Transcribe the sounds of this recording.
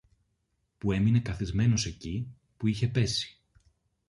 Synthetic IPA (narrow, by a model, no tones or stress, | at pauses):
pue̞mine̞kɐθizme̞no̞se̞ci | puiçe̞pe̞si̥